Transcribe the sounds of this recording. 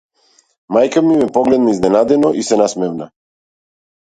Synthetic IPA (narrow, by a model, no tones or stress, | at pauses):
majkamimɛpɔɡlɛd̪naiznɛnad̪ɛnɔʔisɛnasmɛvna